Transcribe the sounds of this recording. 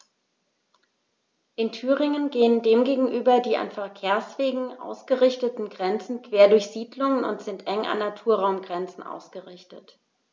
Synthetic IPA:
ʔɪntʰyːʁɪŋənɡeːəndeːmɡeːɡŋ̩ʔyːbɐdiːa̰nfɛɐkʰeːɐsv̥eːɡŋ̩ʔa̰ʊsɡ̥əʁɪçtətn̩ɡʁɛnt͡sn̩kv̥eːɐdʊɐçz̥iːdlʊŋənʊ̰ntz̥ɪntʔɛŋʔa̰nːatʰuːɐʁaʊmɡʁɛnt͡sn̩ʔa̰ʊsɡ̥əʁɪçtət

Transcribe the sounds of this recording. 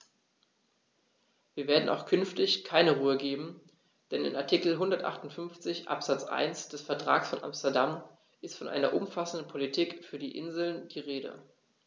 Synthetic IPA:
viːɐveːɐdn̩ʔaʊxkʰʏnftɪçkʰaɪnəʁuːəɡeːbm̩ | d̥ɛnɪ̰naɐtʰikl̩ɦʊndɐtʔa̰χtʊntfʏnft͡sɪçʔa̰pz̥at͡sʔa̰ɪnsd̥ɛsfɛɐtʁ̥a̰ːksfɔnʔa̰mstɛɐdam | ʔɪstfɔnʔa̰ɪnɐ̰ʔʊmfasn̩dn̩pʰolitʰiːkfyːɐdiːʔɪnzl̩nd̥iːʁeːdə̰

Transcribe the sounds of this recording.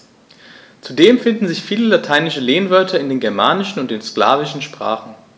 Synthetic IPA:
t͡sudeːmfɪndn̩zɪçfiːləlatʰaɪnɪʃəleːnvœɐtʰɐɪndeːnɡɛɐmaːnɪʃn̩ʊnt̚d̥eːnskla̰ːvɪʃn̩ʃpʁ̥a̰ːχn̩

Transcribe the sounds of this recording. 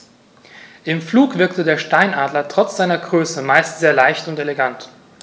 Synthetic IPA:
ʔɪmfluːkv̥ɪɐktədeːɐʃtaɪnʔaːdlɐtʁ̥ɔt͡sz̥aɪnɐɡʁøːsəmaɪstz̥eːɐlaɪçtʊnteleɡant

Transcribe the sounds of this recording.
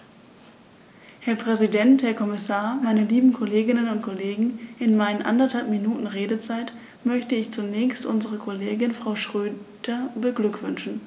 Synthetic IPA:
hɛɐpʁ̥ɛzidɛnthɛɐkʰɔmɪsaːɐmaɪnəliːbm̩kʰoleːɡɪnənʊntkʰoleːɡŋ̩ʔɪnmaɪnənʔa̰ndɐthalpminuːtn̩ʁeːdət͡saɪt | mœçtəɪçt͡sunɛːçstʔʊnzəʁ̞əkʰoleːɡɪnfʁ̥aʊʃʁ̥øːd̥ɐbəɡlʏkv̥ʏnʃn̩

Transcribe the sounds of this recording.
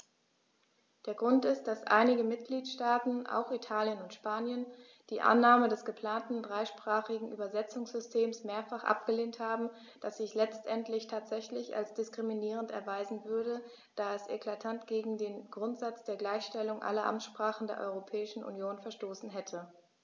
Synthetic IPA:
d̥eːɐɡʁʊntɪst̚d̥asʔa̰ɪnɪɡəmɪt̚ɡ̥liːtʃtaːtn̩ʔa̰ʊxitʰaːljənʊntʃpaːnjən | d̥iːʔa̰nːaːmədɛsɡ̥əpʰl̥aːntn̩dʁaɪʃpʁ̥aːχɪɡŋ̩ʔyːbɐzɛt͡sʊŋsz̥ʏstʰeːmsmeːɐfaχʔa̰p̚ɡ̥əleːnthaːbm̩ | d̥asz̥ɪçlɛt͡stʔɛntlɪçtʰaːtz̥ɛçlɪça̰lsd̥ɪskʁ̥iminiːʁ̞əntɛ̰ɐvaɪzn̩vʏɐdə | d̥aːɛsʔḛkʰl̥atʰantɡ̥eːɡŋ̩deːnɡʁʊntz̥at͡sd̥eːɐɡlaɪçʃtɛlʊŋʔa̰lɐʔa̰mʃpʁ̥aːχn̩deːɐʔɔ̰ʏʁopʰɛːɪʃn̩ʔṵnjoːnfɛɐʃtoːsn̩ɦɛtʰə

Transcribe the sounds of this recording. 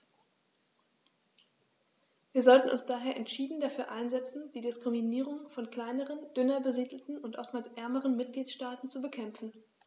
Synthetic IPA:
viːɐzɔltn̩ʔʊ̰nsd̥aːɦeːɐʔɛntʃiːdn̩dafyːɐʔaɪnzɛt͡sn̩d̥iːdɪskʁ̥iminiːʁ̞ʊŋfɔnkl̥aɪnəʁ̞ənd̥ʏnɐbəziːdl̩tn̩ʊntʔɔftmaːlsʔɛɐməʁənmɪt̚ɡ̥liːtʃtaːtn̩t͡subəkʰɛmfn̩

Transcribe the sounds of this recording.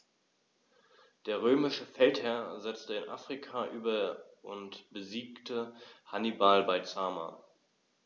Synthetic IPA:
d̥eːɐʁ̞øːmɪʃəfɛlthɛɐzɛt͡stəɪnʔa̰ːfʁ̥ikʰaʔyːbɐʔʊntb̥əziːktʰəhanibalbaɪt͡saːma̰

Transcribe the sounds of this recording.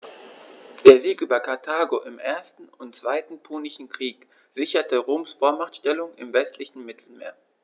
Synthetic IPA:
d̥eːɐziːkʔyːbɐkʰaɐtʰaːɡoʔɪmʔeːɐstn̩ʊntt͡sv̥aɪtn̩pʰoːnɪʃn̩kʁ̥iːk | z̥ɪçɐtəʁoːmsfoːɐmaχtʃtɛlʊŋɪ̰mvɛstʰlɪçn̩mɪtʰl̩mḛːɐ

